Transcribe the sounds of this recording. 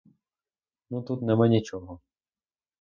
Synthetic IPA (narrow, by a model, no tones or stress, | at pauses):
nut̪ut̪nɛmanʲit͡ʃɔɦɔ